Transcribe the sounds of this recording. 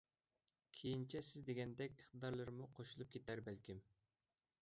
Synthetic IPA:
kʲʰejint͡ʃʰɛsɪzd̪eɡʲɛnd̪ɛkʲiχt̪ɨd̪ɑɾlˠɨɾɨmuqʰoʃulˠup̚kʲʰet̪æɾbɛlkʲim

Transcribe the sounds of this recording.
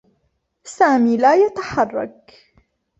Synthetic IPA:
saːmiːlaːjat̪ḁħɑrˤːɑ̰k̚

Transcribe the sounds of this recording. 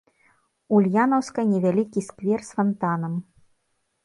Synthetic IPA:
ulʲjanɐwskɐnʲɛvʲalʲikʲiskvʲɛrsfant̪anɐm

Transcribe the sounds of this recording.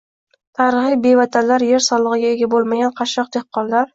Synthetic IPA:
t̪ʰaɾɨχijbe̞vat̪ʰanlaɾje̞ɾsɒlˠɨʁɨɡʲaeɡʲabolˠmaɡʲanqʰɑʃɒq̚t̪ʰeχqʰːɒnlaɾ

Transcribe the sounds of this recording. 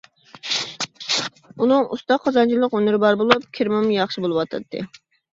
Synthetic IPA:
unɨŋṵst̪ɑqʰːɑzɑnt͡ʃʰilˠːəqønyɾɪbɑɾbolˠup̚kʲʰiɾmɨmjɑχʃibolˠɨwɑt̪ʰɑ̰t̪ʰːɨ̰

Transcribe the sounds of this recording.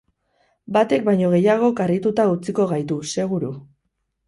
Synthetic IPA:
bat̪e̞k̚bajɲo̞ɣ̞e̞jaɣ̞o̞karit̪ut̪aut͡siko̞ɣ̞ajt̪use̞ɣ̞uɾu

